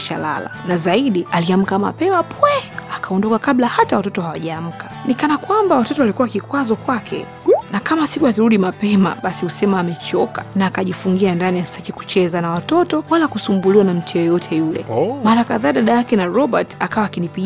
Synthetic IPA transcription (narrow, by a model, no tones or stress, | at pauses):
ʃa̰la̰la̰nazaiɗialiam̩kama̰pɛmapwɛakʰaɔndɔkakaɓlahatawatɔtɔhawaʄaːm̩kḁnikanakwambawatɔtɔwalikuwakikwazɔkwakʰɛ̰ | nakamasikuakiɾuɗimapɛma̰ɓasihusɛmaːmɛt͡ʃɔkanaːkaʄifuŋɡiandanijḁsakiku̥t͡ʃɛzanawatɔtɔwalakusumbuliwanam̩tʰijɔjɔtʰɛjulɛ̰maɾakaðaːɗaɗajakɛnaɾɔɓatakawaːkinipi